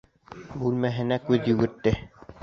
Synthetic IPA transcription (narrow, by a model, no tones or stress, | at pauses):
bʉlmæɦɘ̆nækʉðjɵ̆ɡɘ̆ɾt̪ːɘ